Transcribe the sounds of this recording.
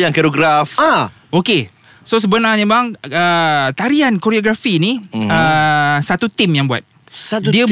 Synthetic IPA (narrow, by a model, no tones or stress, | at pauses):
jaŋkɛɾoɡɾafa | oke | sos̬əbənaɲə̃baŋət̪aɾiankoɾioɡɾafiniəsat̪ut̪imjaŋbua̰t̪̚ | diə